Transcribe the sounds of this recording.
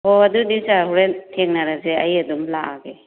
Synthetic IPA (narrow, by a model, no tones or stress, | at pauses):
hɔɐdudiwsaɦuɾetʰeŋnaɾaseɐjɐdumlaʔaɡe